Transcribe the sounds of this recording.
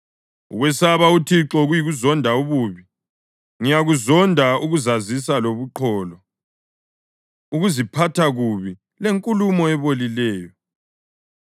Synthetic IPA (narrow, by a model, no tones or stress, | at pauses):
ṵɣwɛsaβautʰiǁɔɣujiɣuzɔndʱauβuːβi | ŋijaɣuzɔndʱauɣuzazisaloβuǃʰɔːlɔ | uɣuzipʰatʰaɣuβi | leŋkʼulumɔɛβolilɛːjɔ